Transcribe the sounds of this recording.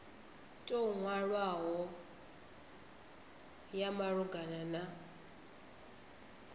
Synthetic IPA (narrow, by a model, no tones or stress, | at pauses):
tʼoŋwaɺwaɦɔ | jamaɺuɡanana